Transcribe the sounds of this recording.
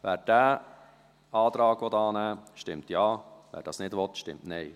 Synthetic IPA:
væːɾt̚d̥æː | ɑːd̪ɾɑːɡʋɔtɑːnæːʃtɪmtjɑːvæ̰ːɾd̥ɑːsnɪdvʋɔt̪ʃtɪ̰mtneɪ

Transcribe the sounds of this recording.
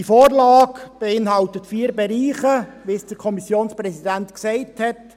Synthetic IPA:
ifoːrlɑːkb̥ɛɪnɦɑltətfiːɾbɛɾiːχəʋisd̥əɾkʰɔmisjoːnsprɛsidæntksɛɪthɛt

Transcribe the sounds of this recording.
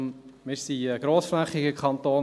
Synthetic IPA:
mɪɾsiəɡ̥ɾoːsflæχːɪɡəkχɑnt̪oː

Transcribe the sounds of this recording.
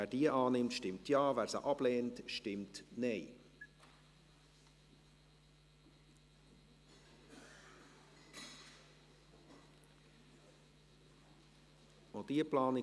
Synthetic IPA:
æːd̥iəʔɑːnɪmtʃtɪmtjɑːvæːɾsə̰ʔɑb̥leːntʃtɪmtnɛɪ | od̥iəplɑːnɪ

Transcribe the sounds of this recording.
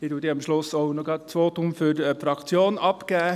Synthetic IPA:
iduət̪iːɑmʃlʊsoʊnɔɡɑt̚t͡sʋoːtʊmfydəfɾɑkt͡sjoːnɑpkæː

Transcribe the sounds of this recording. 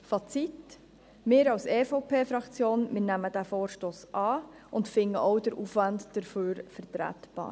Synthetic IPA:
fɑt͡sit | mɪːɾɑwsɛfoʊpʰeːfɾɑkt͡sjoːnmɪɾnæmədæfoːɾʃtoːsʔɑː | ʊntfɪŋːəʔɔwdəɾʔuːfʋɑndd̥əɾføːɾfəɾt̪ɾæ̰t̪b̥ɑ̰ː

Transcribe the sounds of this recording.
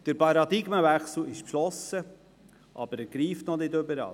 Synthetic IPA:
d̥əɾpɑɾɑd̪ɪɡməvæχsl̩ɪʃpʃlɔsə | ʔɑ̰b̥əɾɛɡ̥ɾiːftnɔnɪdɵbəɾɑ̰

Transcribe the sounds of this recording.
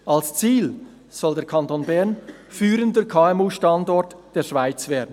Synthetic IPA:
ʔalst͡siːl | z̥ɔldeːɐɾkʰɑntoːnbɛɾn | fyːɾəndəkʰaːɛmuːʃtɑndɔɾtd̥eːʃv̥aɪt͡sv̥eːɐdn̩

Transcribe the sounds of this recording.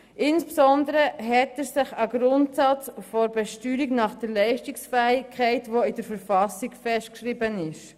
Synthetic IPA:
ʔɪnspsɔndəɾəɦɛtəɾsɪχəɡɾʊntsɑt͡sfɔɾbɛʃtyːɾiknɑχd̥əɾlɛɪʃtiksfɛɪkʰːɛɪtʋoid̥əɾfəɾfɑsiɡfɛstkʃɾibənɪʃ

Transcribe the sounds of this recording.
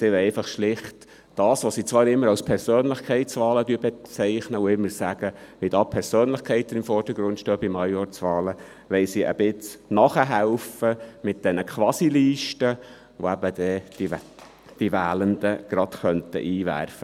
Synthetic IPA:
sɪwɛɪfɑχʃlɪχt | d̥ɑːsʋosiːt͡sʋɑːɾɪmːəɾɑwspʰɛɾsøːnlɪχkʰɛɪtt͡sʋɑːlədyːbet͡sɛɪχnəʊɪmːəɾsæɡ̥əʋidɑpʰɛɾsøːnlɪχkʰɛɪt̪ːənɪmfɔrd̥əɡɾʊntʃtøːbimɑjɔɾt͡sʋɑːlə | ʋɛlsiʔə̰b̥ɪt͡snɑχəɦæʊfəmɪt̚d̥ɛnəkʰʋɑsiliːʃtə | ʋo̰æb̥ədɛ̥ | d̥ivæːləndəɡ̥ɾɑd̥χœntə̰ʔiːvæ̰ɾfə

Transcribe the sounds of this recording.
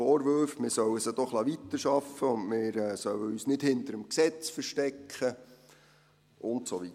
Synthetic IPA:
ɔːɾʋʏɾfmɪːɾsœwəsəd̥̪ɔχlɑʋit̪ːəɾʃɑfəʊndmɪːɾɛsœwəyːsnɪthɪnt̪əɾəmksɛt͡sfəɾʃtɛkχə | ʔʊntsɔʋi

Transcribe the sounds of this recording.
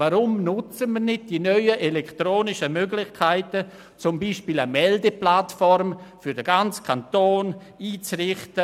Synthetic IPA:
vaɾʊmnʊt͡səmirnɪd̚d̥iːnœʏəʔelɛktɾoːnɪʃəmøɡlɪχkʰaɪtə | t͡sʊmbiːʃpiːləmɛldəplatfɔɾmfʏɾdəɡant͡skʰantoːn | iːt͡srɪχtə

